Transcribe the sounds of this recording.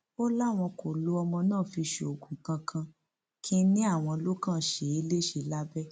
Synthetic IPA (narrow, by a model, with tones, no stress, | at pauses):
o˦la˦˨w̃ɔ̃˧kʰo˨lo˨˦ɔ˧mɔ̃˧nãː˦˨fi˧ʃe˨o˨ɡũ˨kã˧kʰã˧ | kʰĩ˦nĩ˦a˦˨w̃ɔ̃˧lo˦kã˦˨ʃe˨˦i˧˦le˦ʃe˨˧˨la˦bɛ˦